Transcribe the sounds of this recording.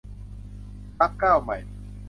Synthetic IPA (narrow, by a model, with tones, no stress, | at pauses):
a˦˥p̚kaː˥˩˨wma˨˩j